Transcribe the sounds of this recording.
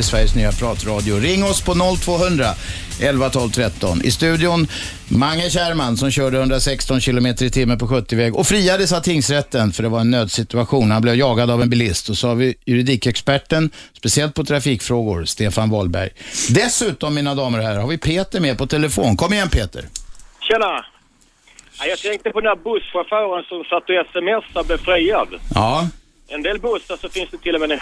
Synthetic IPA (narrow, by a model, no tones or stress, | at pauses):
ɪsvæɾjəsnyːapʰɾɑːt̪ɾɑːd̪ɪʊɾɪŋːɔspʰɔnɔlt̪ʰvoːɦɵnd̪ɾa | ʔɛlvat̪ʰɔlvt̪ʰɾɛt̪ːɔ̰nɪ̰st̪ʉ̟ːd̪ɪʊn | maŋːəɕæːɾmansɔmɕœːɖəhɵnd̪ɾasɛkst̪ɔnɕɪlʊmeːt̪əɾɪt̪ʰɪmːəpɔɧɵt̪ːɪvɛɡɔfɾiːad̪əsat̪ʰɪŋsɾɛt̪ːənfœɖɛvaɾɛnːøːd̪sɪt̪ɵaɧuːnhanblɛvjɑːɡad̪avɛnbɪlɪst̪ɔsɔhavɪjɵɾɪd̪iːkɛkspæʈːənspɛsɪɛlt̪̚pʰɔt̪ʰɾafiːkfɾoːɡʊ̰ɾst̪eːfanvɔlbæ̰ɾjd̪ɛsʉ̟ːt̪ɔmːiːnad̪ɑːməɾɔɦæɾaɾhaɾvɪpʰeːt̪əɾmeːɾpɔt̪ʰɛləfoːnkʰɔmːɪjɛnpʰeːt̪ə̰ɾɕɛna | ajɑːt̪ʰɛŋk̚t̪əpʰɔd̪ɛnæɾbɵsfaɾfœːɾənsɔmsat̪ːɔɛsɛmɛsːablɛfɾɛjːad̪ɑː | ɛnd̪eːlbɵsːəʂɔfɪnsd̪ɛt̪ʰɪlːɔmɛd̪ɛ